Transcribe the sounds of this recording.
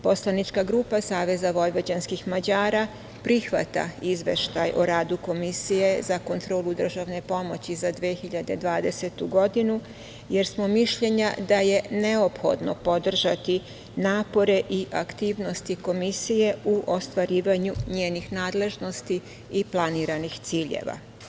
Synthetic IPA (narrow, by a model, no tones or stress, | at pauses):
po̞slanit͡ʃkaɡɾuːpasaːʋe̞zaʋo̞jʋod͡ʑanskixmad͡ʑaːɾa | pɾixʋa̰t̪a̰izʋe̞̰ʃt̪ajʔoɾaːd̪uko̞misije̞zako̞nt̪ɾo̞ːlˠud̪r̩ʒaʋne̞po̞mo̞t͡ɕizad̪ʋexiʎad̪e̞d̪ʋaːd̪e̞se̞t̪uɡo̞d̪inu | je̞ɾsmo̞miʃʎe̞ɲa̰d̪aje̞ne̞opxo̞̰d̪no̞̰pod̪r̩ʒat̪i | naːpo̞ɾe̞ʔiʔakt̪iːʋno̞st̪iko̞misije̞uʔost̪ʋaɾiːʋaɲuɲeːnixnaːd̪le̞ʒno̞st̪i | iplˠaniɾanixt̪siːʎḛʋa̰